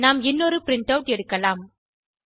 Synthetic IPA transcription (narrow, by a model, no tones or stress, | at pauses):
naːmɪnːɔɾɯpɾɪɳʈɐʊʈɛɽɯkːɐlaːm